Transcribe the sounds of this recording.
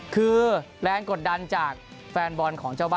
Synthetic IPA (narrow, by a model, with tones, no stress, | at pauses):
kʰɯː˧ | ɾɛː˧nko˨˩t̪̚da˧nt͡ɕaː˨˩k̚fɛː˧nbɔ˧nkʰɔː˩˦ŋt͡ɕʰa˥˩wbaː˧